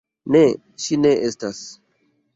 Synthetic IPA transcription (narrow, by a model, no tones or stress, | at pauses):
ne | ʃine̞ʔestas